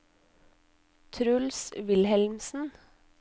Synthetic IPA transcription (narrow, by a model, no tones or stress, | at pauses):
t̪ʰɾʉlsʋɪlhɛlmsn̩